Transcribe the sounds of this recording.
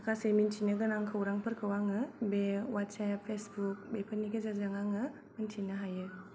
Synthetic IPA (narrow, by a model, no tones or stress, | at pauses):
akʰasemintʰinɯɡɯnaŋkʰɯwɾaŋpʰɯɾkʰɯwaŋɯbewatsapʰːesbuk̚bepʰɯnːiɡezazaŋaŋɯ | mɯntʰinaɦajɯ